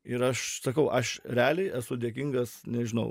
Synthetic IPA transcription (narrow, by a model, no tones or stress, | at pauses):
ɪɾɐʃsɐkɐʊʔɐʃɾʲæːlʲɛɪʔæsʊd̪ʲeɛkʲiɪŋɡɐsnʲɛʒʲɪnɐ̰ʊ